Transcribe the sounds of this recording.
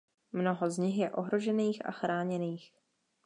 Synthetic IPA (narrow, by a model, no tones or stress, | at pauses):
mno̞ɦo̞zɲɪxjɛʔo̞ɦɾo̞ʒɛniːxʔa̰xɾaːɲɛniːx